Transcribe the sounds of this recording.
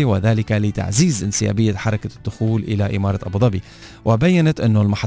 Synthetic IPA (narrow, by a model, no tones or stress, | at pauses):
iwɪðaːlɪkalɪt̪a̰ʕziːzʔɪnsɪja̰ːbɪjːaħɑɾˤɑkad̪̥ːʊxuːlʔɪlaʔɪ̰mɑːɾˤɑʔɑbd̪ˤɑbi | wɪbajːanat̪ʔɪnːʊlmaħɑ